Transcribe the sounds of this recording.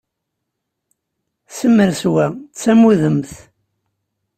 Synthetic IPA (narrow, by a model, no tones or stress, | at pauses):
səmːəɾswæt͡sːæmuðəmθ